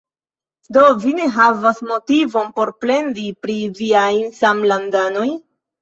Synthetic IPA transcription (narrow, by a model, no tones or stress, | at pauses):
do̞vine̞ɦavasmo̞tivo̞npo̞ɾple̞ndipɾiviajnsamlandano̞j